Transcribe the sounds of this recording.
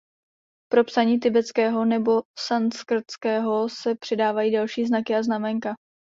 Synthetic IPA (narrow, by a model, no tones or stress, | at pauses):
pɾo̞psaɲiːt̪̬ɪbɛt͡skɛːɦo̞nɛbo̞sanskr̩t̪t͡skɛːɦo̞sɛpr̥ɛdaːvajiːdalʃiːznakɪaznamɛŋka